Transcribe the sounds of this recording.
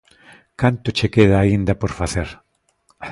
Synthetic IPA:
kant̪ʊt͡ʃekeðaːind̪ɐpoɾfaθeɾ

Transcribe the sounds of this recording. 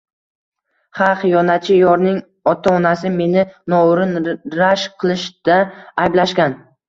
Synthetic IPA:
χɑqjɒnat͡ʃʰɪjɒɾnɪŋ | ɒt̪ʰaɒnasɪme̞nɪnɒʊɾɪnɾaʃqʰɨlˠɪʃd̪̥aːjblaʃkʲan

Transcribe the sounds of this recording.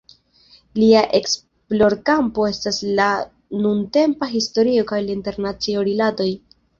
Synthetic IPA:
liaʔe̞ks | plo̞ɾkampo̞e̞stasla | nunte̞mpaɦisto̞ɾio̞kajlainte̞ɾnat͡sioɾilado̞j

